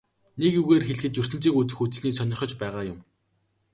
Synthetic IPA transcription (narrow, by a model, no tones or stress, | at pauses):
nekjuɣeːrxeɮɘ̆xɘ̆t̪jɵr̥t̪ɘ̆n̥t͡siːkut͡sɘ̆xut͡sɘ̆ɮniːsœnʲɪ̆rχɞ̆t͡ɕpæːʁaːjʊm